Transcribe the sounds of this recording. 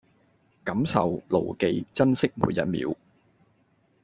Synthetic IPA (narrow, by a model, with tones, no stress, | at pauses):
kɐ˨˥msɐ̰˨wlo̰˨˩wke˨jt͡sɐ˥nsɪ˥k̚mṵː˨˧njɐ̰˨t̚mḭː˨˥w